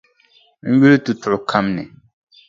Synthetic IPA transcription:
n̩˦ɥi˦lɨ˦tu˨tʊ˨ʔʊ˨kʰa˦mnɨ̰˨

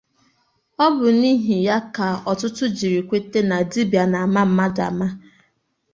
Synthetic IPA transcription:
ɔ˦bʊ˨ni˦ɦi˨ja˦ka˨ɔ˨tʊ˦tʊ˦d͡ʒi˨ɾi˨kʷe˦te˦na˨di˦bi˨a˨na˨ma˦m̩˦ma˦da̰˨ma˦

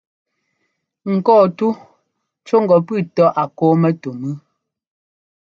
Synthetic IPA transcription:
ŋ̩˨kɔː˦˨tu˦ | t͡ʃo˦ŋ̩˨ɡɔ˨pʉ˦˨tɔ˦ʔa˨ko˨˦mɛ˦to˨mʉ˦

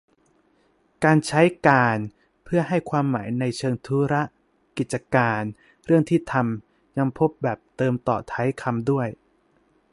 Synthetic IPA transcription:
kaː˧nt͡ɕʰa˦˥jkaː˧n | pʰɯ˥˩ɐɦa˥˩jkʰwaː˧mːaː˩˦jna˧jt͡ɕʰɤː˧ŋt̪ʰuː˦˥ɾa˦˥ʔ | ki˨˩t̪̚t͡ɕa˧kaː˧n | ɾɯ˥˩əŋt̪ʰiː˥˩t̪ʰa˧m | ja˧ŋpʰo˦˥p̚bɛː˨˩p̚t̪ɤː˧mt̪ɔ̰ː˨˩t̪ʰa˦˥jkʰa˧mdu˥˩əj

